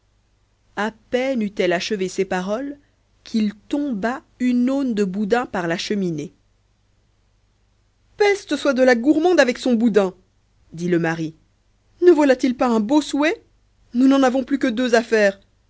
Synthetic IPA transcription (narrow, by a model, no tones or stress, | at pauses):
apɛnyt̪ɛlaʃəvesepaʁɔl | kʲʰilt̪ɔ̃ba | ynond̪əbud̪ɛ̃paʁlaʃəmine | pɛst̪əswad̪əlaɡuʁmɑ̃d̪avɛksɔ̃bud̪ɛ̃ | d̪iləmaʁi | nəvwalat̪ilpaɛ̃boswɛ | nunɑ̃navɔ̃plykəd̪øzafɛːʁ